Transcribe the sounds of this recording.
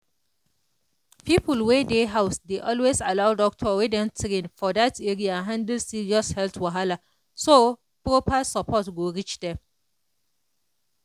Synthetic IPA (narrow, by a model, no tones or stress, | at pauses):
pʰipʰulwedeɦaʊsdeʔɔlwesalaʊdɔk̚tʰɔwedɛ̃ntʰɾẽnfɔdateɹiãɦãndəlsiɹiɔshɛltwaɦala | so | pɹopasapʰɔtɡoɹit͡ʃdɛ̃m